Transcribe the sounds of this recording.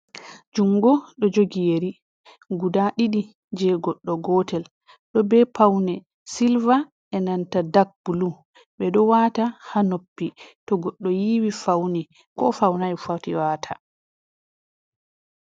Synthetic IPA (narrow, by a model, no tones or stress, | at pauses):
d͡ʒuŋɡɔɗɔd͡ʒoɡijeɾi | ɡudaɗiɗi | d͡ʒɛɡɔɗːɔɡɔtɛl | ɗɔbɛpʰawnɛ | silva | ɛnantadak̚bulu | ɓɛɗɔwatahanopːitɔɡɔɗːɔjiwifawni | kɔ̰fawnajfatiwaːtʰa